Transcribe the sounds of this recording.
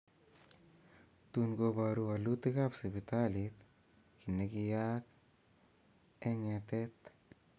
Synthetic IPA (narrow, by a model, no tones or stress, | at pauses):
t̪unɡobaɾualut̪ikapsibit̪alit̪ | kinːekijak | eŋɛt̪ɛt̪